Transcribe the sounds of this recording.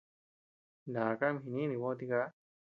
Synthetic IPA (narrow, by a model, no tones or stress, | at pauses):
naːkamɦininiwɔt̪iɡa